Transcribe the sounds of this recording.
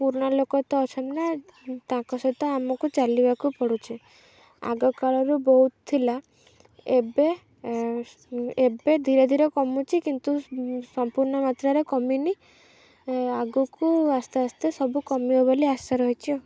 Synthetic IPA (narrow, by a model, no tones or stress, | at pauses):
puɾɽ̃alokɔt̪ɔːt͡ʃʰɔnnat̪ãkɔsɔt̪ɔamɔkut͡ʃalibakupɔɽut͡ʃʰi | a̰ɡɔkaɭɔɾubɔɦut̪t̪ʰːila | ebe | ebed̪ʱiɾɔd̪ʱiɾɔkɔmut͡ʃʰikint̪usɔmpuɾɳɔmat̪ɾaɾekɔmini | aɡukuast̪east̪esɔbukɔmiɦobɔliasaɾɔɦit͡ʃʰiɔ